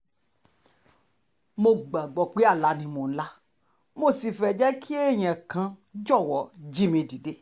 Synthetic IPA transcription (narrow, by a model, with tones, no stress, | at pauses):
mo˧ɡ͡ba˨ɡ͡bɔ˨k͡pe˨˦a˦˨la˨˧˦nĩ˧mõ˨˦la˦ | mo˦˨si˧fɛ˧˨d͡ʒɛ˦kʰi˦e˦˨j̃ɛ̃˨kã˧d͡ʒɔ˦˨wɔ˨˦d͡ʒi˦mĩ˧di˨de˧˦